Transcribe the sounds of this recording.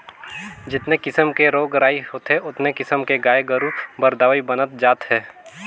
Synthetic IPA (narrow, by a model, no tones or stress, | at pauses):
d͡ʒɪt̪nekɪsəmkeɾoːɡɾaːiɦoːt̪ɦeʔʊt̪nekɪsəmkeɡaːeɡəɾuːpbəɾd̪aːʋibənət̪̚d͡ʒaːt̪ɦɛː